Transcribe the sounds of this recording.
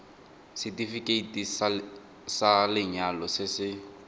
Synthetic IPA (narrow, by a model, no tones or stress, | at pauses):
sɪtifikʼeitʼis | salɪɲalɔsɪsɪ